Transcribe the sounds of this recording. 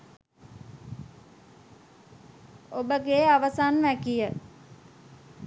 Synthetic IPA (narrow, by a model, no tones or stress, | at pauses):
obəɡeaʋəsanʋækijə